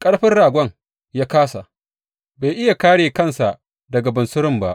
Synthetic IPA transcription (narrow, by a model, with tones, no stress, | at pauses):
kʼɐ˦ɽɸɪ˦nɽaː˨ɡʷɐ˦ŋ | jaː˦kaː˦sa˨ʔ | baː˨jʔɪ˦ja˨kaː˦ɽeː˨kɐ˦˨nsa˨ | dɐ˨ɡɐ˨bɐ˨nsʊ˦ɾɪ˦mba˦ʔ